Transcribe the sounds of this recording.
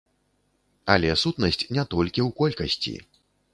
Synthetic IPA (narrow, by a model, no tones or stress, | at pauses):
ɐlʲɛsut̪nɐsʲt͡sʲnʲɛt̪ɔlʲkʲiwkɔlʲkɐsʲt͡sʲḭ